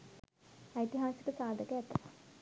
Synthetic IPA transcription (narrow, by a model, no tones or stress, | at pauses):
ajt̪iɦaːsi̥kəsaːd̪ʱəkəæt̪ːəɐ